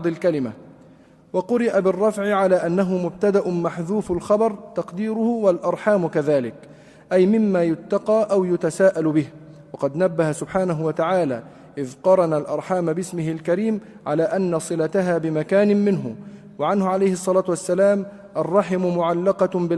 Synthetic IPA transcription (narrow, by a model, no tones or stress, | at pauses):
d̪ˤɪlkalɪma | wɑqʊɾɪʔabɪrˤːɑfʕɪʕalaːʔanːaɦʊmʊb̚t̪ad̪aʔʊmaħðuːfalxɑbɑɾˤt̪ɑqd̪iːɾʊhʊwalʔɑɾˤħaːmkaðaːlɪk | ʔajmɪmːaːjʊt̪ːɑqɑːʔawjʊt̪asaːʔalbɪhwɑqɑd̪nabːahasʊbħaːnaɦʊwat̪aʕaːlaː | ʔɪðqɑɾˤɑnalʔɑ̰ɾˤħaːmbɪsmɪɦɪlkaɾiːm | ʕalaːʔanːasˤɨlat̪aɦaːbɪmakaːnɪmɪnɦʊ | waʕanhʊʕalajhɪsˤːɑlaːt̪ʊʔasːalaːm | ʔɑrˤːɑħɪmʊmʊʕalːɑqɑbɪ